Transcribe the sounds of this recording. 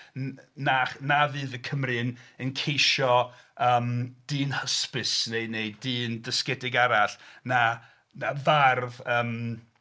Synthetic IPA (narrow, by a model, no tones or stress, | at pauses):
nanavɨːðəkʰəmrɨnənkʰejʃɔ | əːmd̥ɨːnhəspɨsneɨneɨɨːndəskɛdɪɡaɾaɬna | navarvəːm